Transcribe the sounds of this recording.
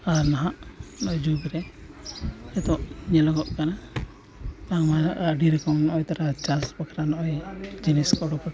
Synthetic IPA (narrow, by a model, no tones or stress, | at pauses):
aɾnaɦaʔnɔjd͡ʒubɾɛ | ɛt̪ɔʔɲɛlɔɡɔʔkana | t̪aŋmaaɖiɾɛkɔmnɔʔjt̪aɾat͡ʃaspakaɾanɔʔɔjd͡ʒiniskɔɽɔpɔʈa